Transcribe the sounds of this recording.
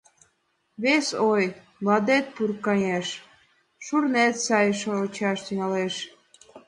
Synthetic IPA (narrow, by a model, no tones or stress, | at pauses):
βesoj | lɑd̪et̪̚purkɑjeʃ | ʃurnet̪sɑjʃoot͡ɕɑʃt̪yŋɑleʃ